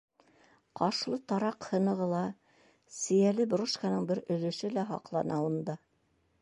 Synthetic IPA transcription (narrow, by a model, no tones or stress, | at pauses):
qɑʃlˠɤt̪ɑɾɑqhɤ̆nɤ̆ʁɤ̆lˠɑ | sɘ̆jælɘbɾuʃkanɤɴbɘɾɵ̆ðɵ̆ʃɘlæɦɑ̰qlˠɑ̰nɑund̪ɑ